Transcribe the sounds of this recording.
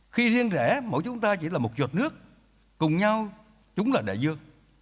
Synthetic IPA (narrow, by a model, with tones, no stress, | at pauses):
xi˧zi˧ənzɛ̰˧˩mə̰˨˧˥jt͡ɕʊ˨˦ŋ͡mt̪aː˧t͡ɕḭ˧˩laː˨˩mo˨˩t̚zoə˨˩t̚nɨ˦˥ək̚ː | ʊ˨˩ŋ͡mɲa˧w | t͡ɕʊ˨˦ŋ͡mlaː˨˩ɗḛ˧˩zɨ˧˩əŋ̚